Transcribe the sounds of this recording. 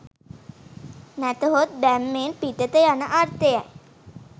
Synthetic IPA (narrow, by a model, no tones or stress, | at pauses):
næt̪əɦot̪̚bæmːeːnpit̪ət̪əjanəʔart̪əja̰j